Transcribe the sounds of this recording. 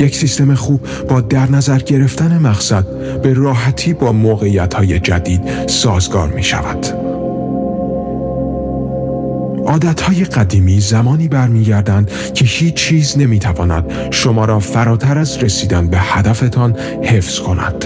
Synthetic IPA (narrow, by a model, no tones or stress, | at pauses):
je̞csiːst̪e̞me̞xuːb | bɒːd̪æɾnæzæɾɟe̞ɾe̞ft̪æne̞mæɣsæd̪̚ | b̥e̞rɒːɦæt̪ʰiːbɒːmoːɣe̞iːjæt̪ʰhɒːje̞d͡ʒæd̪iːd̪̥sɒːzɡɒ̰ːɾmiːʃæ̰væ̰d̪̥ | ʔɒːd̪æt̪ʰhɒːje̞ɢæd̪iːmiːzæmɒːniːbæɾmiːɟæɾd̪ænd̪̥ | cʰe̞hiːt͡ʃʰt͡ʃʰːiːzne̞miːt̪ʰævɒːnæ̰d̪̥ | ʃo̞mɒːɾɒːfæɾɒːt̪ʰæɾæzɾe̞siːd̪ænbe̞hæd̪æfe̞t̪ʰɒn | he̞fz̥kʰo̞næ̰d̪̥